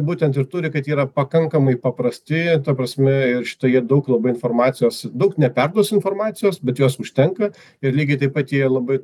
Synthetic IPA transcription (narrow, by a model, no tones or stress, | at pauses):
buːt̪ʲɛnt̪ɪɾt̪ʊɾʲɪkɐt̪iːɾɐpɐkɐŋkɐmɐɪpɐpɾɐsʲt̪ʲɪt̪ɐpɾɐsʲmʲɛɪrʃʲɪ̥t̪oːjiɛd̪ɐʊklˠɐbɐɪnfoːrmɑːt̪t͡s̪sʲɪjoːsd̪ɐʊknʲɛpʲɛrd̪uɔsɪnfoːrmɑːt̪sʲɪjoːsbʲɛt̪joːsʊʃʲt̪ʲɛŋkɐ | ɪɾlʲiːɡʲɛɪt̪ɐɪpɐt̪jiɛlˠɐbɐɪ